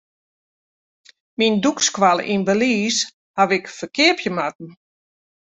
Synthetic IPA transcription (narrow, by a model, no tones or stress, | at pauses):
mindukskwal̰ˠʔḭnbəliːs | haʋɪkfərkɪəpʰjəmat̚n̩